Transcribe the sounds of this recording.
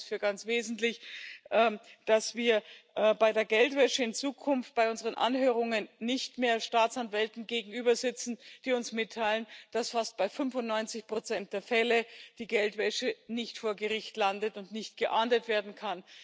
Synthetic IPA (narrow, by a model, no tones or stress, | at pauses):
sfyːɐɡant͡sv̥eːzn̩tlɪçʔɛd̥asv̥iːɐʔbaɪdeːɐɡɛltv̥ɛʃəɪnt͡suːkʰʊnft̚b̥aɪʊnzəʁənʔa̰nɦøːʁ̞ʊŋənːɪçtmeːɐʃtaːt͡sanvɛltn̩ɡeːɡŋ̩yːbɐzɪt͡sn̩d̥iːʊnsmɪtʰːaɪlənd̥asfast̚b̥aɪfʏnvʊntnɔʏnt͡sɪçpʁ̥ot͡sɛnt̚d̥eːɐfɛləd̥iːɡɛltv̥ɛʃənɪçtfoːɐɡəʁɪçtlandətʊntnɪçt̚ɡ̥əʔaːndətv̥eːɐdn̩kʰan